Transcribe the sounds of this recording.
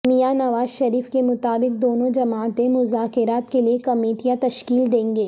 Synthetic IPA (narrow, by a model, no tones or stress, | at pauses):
mijanɐʋaːzʃɐɾiːfkemʊt̪aːbɪk̚d̪oːnõd͡ʒɐmaːt̪ẽmʊzaːkɪɾaːt̪keliekɐmeːʈijat̪ɐʃkiːld̪ẽːŋɡeː